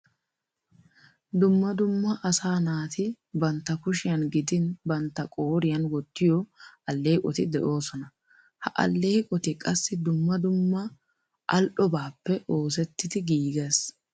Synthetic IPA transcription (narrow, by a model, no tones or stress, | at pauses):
d̪ʊmːɐd̪ʊmːɐʔɐsaːnaːt̪ɪ | bɐnt̪ːɐkʊʃɪjɐnɡɪd̪ɪnbɐnt̪ːɐkʼoːɾɪjɐnwɔt̪ːɪjɔʔɐlːe̞ːkʼɔt̪ɪd̪ɛʔo̞ːsɔnɐ | hɐ̰ʔɐ̰lːe̞ːkʼɔt̪ɪkʼɐsːɪd̪ʊmːɐd̪ʊmːɐ | ʔɐlʔɔbaːpːɛʔo̞ːs̬ɛt̪ːɪd̪ɪɡiːɡeːs